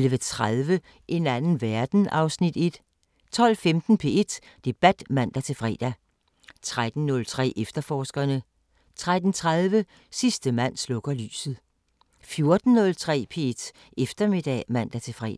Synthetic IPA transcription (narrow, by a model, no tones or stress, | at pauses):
lʋət͡sʰʁaðˠʋə | ʔe̝nænn̩ʋæɐd̥n̩ɑ̈ʊsnid̥e̝d̥ | t͡sʰɒ̽l̰femd̥n̩pʰe̝e̝d̥ | d̥e̝b̥æd̥mæn̰d̥æt͡sʰe̝lfʁɛ̰ːd̥æ | t͡sʰʁad̥n̩ːɔ̽lt͡sʰʁɛ̰ːʔefd̥ɐfɒːsɡ̥ɐnə | t͡sʰʁad̥n̩t͡sʰʁaðˠʋə | sisd̥əmæn̰slɔ̽ɡ̥ɐly̰ːsð̞̩ˠ | fjo̝ɐd̥n̩nɔ̽lt͡sʰʁɛ̰ːpʰe̝ed̥ | efd̥ɐme̝d̥ɛ̰mæn̰d̥æt͡sʰe̝fʁɛ̰ː